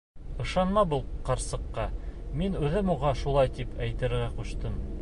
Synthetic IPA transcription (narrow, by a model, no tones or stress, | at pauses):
ɤ̆ʃɑnmɑbulˠqɑɾsɤ̆qːɑminʉðɘmuʁɑʃulˠɑjt̪ipʰæjt̪ɘ̆ɾɘɾɡæquʃt̪ɤm